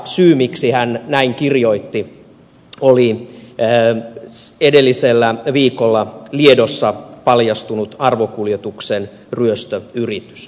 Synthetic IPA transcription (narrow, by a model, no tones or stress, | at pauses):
syːmiksihænnæiŋkirjoit̪ːi | oliː | edelːiselːæʋiːkolːɑliedosːɑpɑljɑst̪unut̪ɑrʋokuljet̪uksen | ryøst̪øyrit̪y̥s